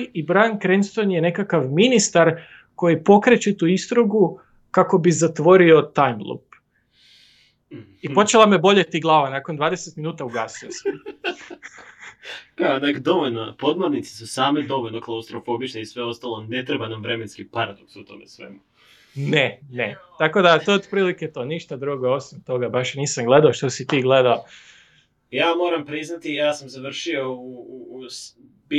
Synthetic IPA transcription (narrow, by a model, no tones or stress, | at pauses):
ibɾankɾenst̪o̞njene̞kakaʋminist̪aɾ | ko̞jipo̞kɾet͡ɕet̪uist̪ɾuɡu | kako̞bizat̪ʋo̞ɾio̞t̪ajmlˠṵp | ipo̞t͡ʃelˠamebo̞ʎet̪iɡlˠaːʋanakond̪ʋaːd̪eset̪minuːt̪auɡasios | kanakd̪o̞ʋoʎnopo̞d̪moɾnit̪si̥susaːmed̪o̞ʋo̞ʎnoklˠaust̪ɾofobit͡ʃneisʋe̞o̞st̪alone̞t̪ɾebanamːɾemenskipaɾad̪oksut̪o̰mesʋḛmu | nenet̪ako̞d̪at̪ood̪pɾiːliket̪oniʃt̪ad̪ɾuɡoo̞simt̪o̞ɡabaʃniːsamɡle̞d̪aoʃt̪osit̪iːɡled̪ao | jaːmo̞ːɾampɾiznat̪ijaːsamzaʋr̩ʃio̞ | bi